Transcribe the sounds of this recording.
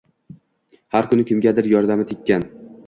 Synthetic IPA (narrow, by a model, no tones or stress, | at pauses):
haɾkʰʊnɪkʰʲɪmɡʲad̪ɪɾjɒɾd̪amɪt̪ʰɪkʲːan